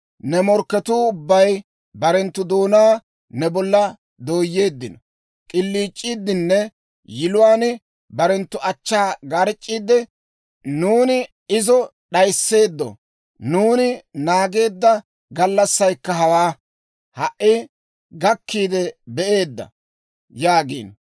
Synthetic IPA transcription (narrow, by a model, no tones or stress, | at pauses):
nɛmɔɾkːɛt̪uːʊbːɐj | bɐɾɛnt̪ːʊd̪o̞ːnaː | nɛbɔlːɐ | d̪o̞ːjːe̞ːd̪ːɪnɔ | kʼɪlːiːt͡ʃʼːiːd̪ːɪnːɛ | jɪlʊwaːn | bɐɾɛnt̪ːʊʔɐt͡ʃːaːɡɐɾt͡ʃʼːiːd̪ɛ | nuːnɪ | ɪzɔ | ɗɐjsːe̞ːd̪ːɔ̰ | nuːnɪnaːɡe̞ːd̪ːɐ | ɡɐlːɐsːɐjkːɐɦɐwaː | hɐʔɪ | ɡɐkːiːd̪ɛbɛʔe̞ːd̪ːɐ̰ | jaːɡḭːn